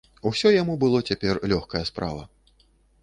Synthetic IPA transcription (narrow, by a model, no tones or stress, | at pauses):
usʲɔjamubɨlˠɔt͡sʲapʲɛrlʲɔxkɐjɐspɾa̰vɐ̰